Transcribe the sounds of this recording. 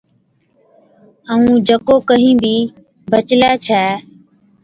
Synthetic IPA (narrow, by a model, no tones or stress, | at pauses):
əũːd͡ʒəkoːkəɦĩːbiː | bʱət͡ʃlɛːt͡ʃʰɛː